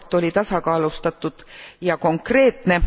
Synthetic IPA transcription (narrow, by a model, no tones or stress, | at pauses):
t̪ːˑo̞lʲit̪ɑsɑkɑːlust̪ɑt̪ːˑud̪̥jɑko̞ŋkre̞ːt̪ne̞